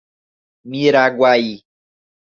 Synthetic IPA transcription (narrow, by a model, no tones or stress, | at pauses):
mĩɾaɡʷwaji